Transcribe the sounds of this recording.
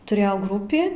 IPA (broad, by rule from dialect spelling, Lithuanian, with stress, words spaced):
tʊˈrʲeːjɛʊ ˈɡrʊpʲiː